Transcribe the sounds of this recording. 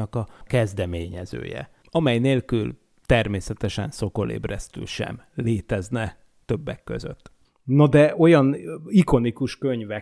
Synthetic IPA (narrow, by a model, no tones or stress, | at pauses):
ɒkɒkɛzd̪ɛmeːɲɛzø̰ːjɛ̰ | ɒmɛjneːlkyl | t̪ɛrmeːsɛt̪ɛʃɛ̰nso̞ko̞lḛːbrɛst̪y̰lʃɛ̰mleːt̪ɛznɛ | t̪ø̞bːɛkːø̰zø̰t̪ː | nɒd̪ɛʔo̞jɒniko̞nikuʃkøɲvɛ